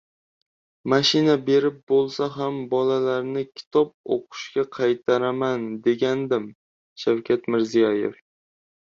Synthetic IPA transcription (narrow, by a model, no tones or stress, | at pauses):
maʃɪnabe̞ɾɪp̚bolˠsaɦambɒlalaɾnɪkʲʰɪ̥t̪ʰɒp̚o̰qʰʊ̥ʃkʲaqʰɑjt̪ʰaɾamand̪e̞ɡʲand̪ɪm | ʃawkʲʰat̪mɪɾzijɒjḛf